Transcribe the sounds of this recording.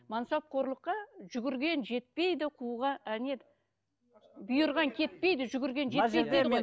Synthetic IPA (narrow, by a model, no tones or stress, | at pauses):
mɑnsɑp̚qʰo̞ɾlˠəqːɑʒʏɡʲɪɾɡʲe̞nʒe̞t̪̚pe̞jd̪ɪqʰuʁɑæne̞d̪ | bʊjəɾʁɑŋkʲʰe̞t̪̚pe̞jd̪ɪʒʏɡʲɪɾɡʲe̞nʒe̞ʒej̪ej̪j